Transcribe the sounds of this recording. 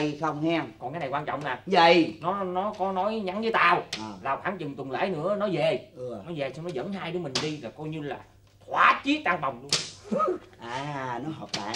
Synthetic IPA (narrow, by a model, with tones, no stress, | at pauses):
jxə˧wŋ͡mhɛ˧mkɔ˨˩nkaː˨˦jna˨˩jkwaː˧nt͡ɕɔ̰˧˨wŋ͡mʔaː˨˩və̰˧˨jnɔ˨˦nɔ˨˦kɔ˨˦nɔ˨˦jɲa˨˦nzəː˨˦jt̪aː˧wʔlaː˨˩wxʰaː˨˩˦ŋt͡ɕɨ˨˩ŋt̪wə˨˩nlḛː˧˩nɨ̰˧˥ənɔ˨˦ze˨˩ʔɨ˨˩ənɔ˨˦ze˨˩sa˧ŋ͡mnɔ˨˦zə̰˧˥nhaː˧jɗɨ˨˦mï˨˩ŋ̟ɗi˧laː˨˩kɔ˧jɲɨ˧la̰ː˨˩ | t̪ʰwaː˨˦t͡ɕi˨˦t̪aː˧ŋɓa˨˩wŋ͡mlu˧ən | ʔaː˨˩nɔ˨˦ɦəː˨˩p̚ɓa̰ː˧˨